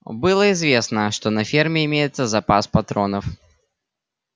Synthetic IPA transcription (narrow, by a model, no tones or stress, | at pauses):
bɨlˠəɪzvʲesnəʂt̪onɐfʲermʲɪɪmʲejɪt̪səzɐpaspɐt̪ɾonəf